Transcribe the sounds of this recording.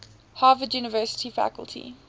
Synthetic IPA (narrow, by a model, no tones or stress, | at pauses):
hɑːvədjuːnɪvɜːˑsɪ̥tʰifæ̰kə̰lˠtʰḭ